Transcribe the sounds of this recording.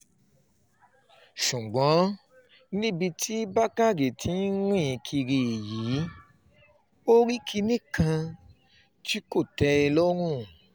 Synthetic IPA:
ʃũ˨ɡ͡bɔ̃˨˦ | nĩ˦bi˧tʰi˦ba˦ka˦˨ɡe˨tʰi˨˦ɾ̃ĩ˦˨˧kʰi˧ɾi˧e˨ji˨˦ | o˦ɾi˦kʰi˧nĩ˦˨kã˧ | ti˦ko˦˨tɛ˧ɛ˧lɔ˦ɾ̃ũ˦

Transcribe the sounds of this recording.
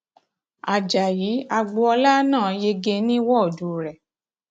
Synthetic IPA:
a˨d͡ʒa˨jiː˨˦a˧ɡ͡bo˧ɔ˧la˦nãː˦˨˦je˧ɡe˧nĩ˦wɔ˦˨du˨ɾɛ˨

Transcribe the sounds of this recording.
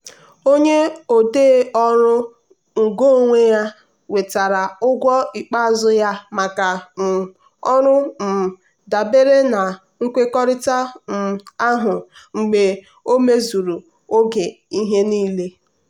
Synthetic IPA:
o˦ɲe˦o˨deː˦ɔ˦ɾʊ˦ | ŋ̩˨ɡo˦o˦˨ŋʷe˦ja˦ | we˨ta˨ɾa˨ʊ˦ɡʷɔ˦ɪ˨k͡pa˦˨˦zʊ˦ja˦ma˨ka˨ | ɔ˦ɾʊ˦m̩˨ | da˨be˦ɾe˦na˨ | ŋ̩˦kʷe˦kɔ˦ɾɪ˦ta˦m̩˨a˦ɦʊ˨ŋ͡m̩˨ɡ͡be˨ | o˦me˦zu˨ɾu˨ | o˦ɡe˨i˦ɦe˦niː˦le˦

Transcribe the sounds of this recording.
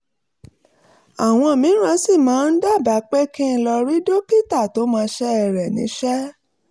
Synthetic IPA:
a˨w̃ɔ̃˧˨mĩ˨˦ɾ̃ã˨˦si˦˨mãː˨˦n̩˦da˦˨ba˨˦k͡pe˦kĩ˦n̩˧lɔ˧ɾi˦do˦ki˦˨ta˦˨to˦mãː˧ʃɛ˦ɛ˧˨ɾɛ˨nĩ˨˦ʃɛ˦

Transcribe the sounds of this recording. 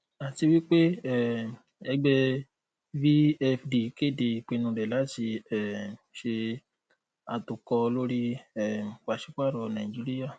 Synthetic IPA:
a˨ti˧wi˦k͡pe˦ɛ˦˨ | ɛ˧ɡ͡bɛ˦ | vi˦ɛ˧fdi˨˦ke˦˨de˨i˨k͡pe˧nũ˧ɾɛ˨la˨˦ti˧ɛ˨ʃe˧ | a˧tu˨kɔ˧lo˦ɾi˦ɛ˦˨ka˨ʃi˦k͡pa˦˨ɾɔ˨nã˨ĩ˨d͡ʒi˨˦ɾi˦ja˦˨

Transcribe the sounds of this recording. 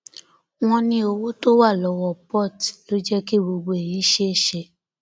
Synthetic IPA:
w̃ɔ̃˧nĩ˧o˧wo˦to˦wa˦˨lɔ˨˦wɔ˧pɔ˦˨tlo˦d͡ʒɛ˦ki˦˨bo˧ɡ͡bo˧e˨ji˨˦ʃe˦e˦˨ʃɛ˧

